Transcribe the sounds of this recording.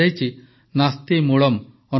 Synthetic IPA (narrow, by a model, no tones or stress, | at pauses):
ajt͡ʃi | nast̪imuɭɔm | ɔ